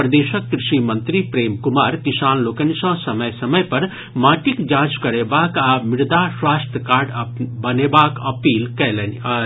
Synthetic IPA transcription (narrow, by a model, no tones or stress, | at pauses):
pɾɐd̪eːʃəkkɾɪʃimɐnt̪ɾipɾeːmkumaːɾkisaːnloːkənsɐ̃sɐməjsɐməjpɐɾ | maːʈikd͡ʒãːd͡ʒkɐɾebaːkamɪɾd̪aswaːst̪əkaːɾɖbɐnebaːkɐpiːlkɛlen